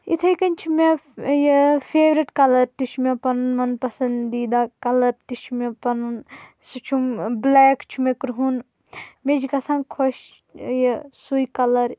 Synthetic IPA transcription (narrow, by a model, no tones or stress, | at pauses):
ḭt̪ʰɐjkɐnʲt͡ʃʰimejefʰeːʋɾiʈkɐlɐɾt̪it͡ʃʰumʲepɐnunmɐnpɐsɐnd̪iːd̪aːkɐlɐɾt̪it͡ʃʰumepɐnun | sit͡ʃʰumblɛːkt͡ʃʰumekɾuɦun | med͡ʒikɐsãnkʰoʃ | jɐsujkɐlɐɾ